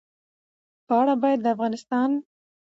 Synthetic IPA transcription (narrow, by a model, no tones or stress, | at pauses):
pəaɽabɑjad̪ːəafɣɑnɪst̪ɑn